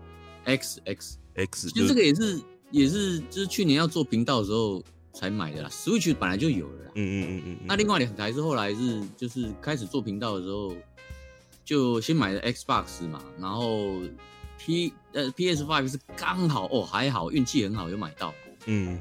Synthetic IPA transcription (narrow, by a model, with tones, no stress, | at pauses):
ʔɛ˥ksɛ˥ksɛi˧˥˧ʈ͡ʂə˥ɡə˨jɛ˨˩ʂ̬ɻ̩˥˧ | jɛ˨˩ʂ̬ɻ̩˥˧t͡ɕo˥˧ʂ̩˥˧t͡ɕʰy˥˩jɛ˧˥njɑ˥˧ʊt͡swɔ˥˩pʰi˧˥ŋt̪ɑ˥˩ʊd̪ə˩ʂ̬̩˧˥xo˥˩ʊ | t͡sʰa˧˥ɪma̰˨˩ɪd̪ə̰˦˨a̰˨˩ʂɻ̩˧˥wi˥t͡ɕʰy˥˩pə˨˩na˧˦ɪt͡ɕjo˥˩ʊjo̰˨˩ʊlə̰˦la̰˦˧na˥˧li˥˧ŋwa˥˩ɪli˨˩xə˨˩kʰa˧˥ɪʂ̬̩˥˧xo˥˩ʊla˧˥ɪʂɻ̩˥˧t͡ɕjo˥˧ʊʂɻ̩˥˧kʰa˥ɪʂ̬̩˨˩t͡swɔ˥˩pʰi˧˥ŋt̪ɑ˥˩ʊd̪ə˩ʂɻ̩˧˥xo˥˧ʊ | t͡ɕjo˥˩ʊɕjɛ˥nma˨ɪlə˦ʔɛ˦˥ksba̰˥˧ks̩˨ma̰˩na˧˥nxo˥˩ʊ | pʰi˥˧ | pʰi˥ɛ˥s̬fa˥˧ɪfʂ̬̩˥˩ka˦˥ŋɦɑ˨˩˦ʊʔɔ˨˩xa˧˦˥ɪɦɑ˨˩ʊʔy˥˧nt͡ɕʰi˥˩hə˧˥nxɑ˨ʊjo˥˩ma˨˩ɪt̪ɑ˥˩ʊ˥˩